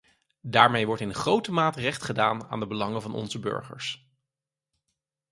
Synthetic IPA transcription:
daːɹmejʋɔɹtɪnχrowtəmaːtərɛχtχədaːna̰ːndəbəlɑŋəvɑnɔ̰nzəbʏ̰ɹχə̰ɹs

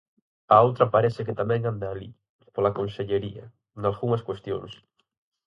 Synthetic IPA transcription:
ɐowt̪ɾɐpaɾɛsɪkɪt̪amɛ̃ŋand̪aːlḭ | polakonseʎeɾiɐ̰ | nalɣuŋɐskwest̪jo̰ŋs

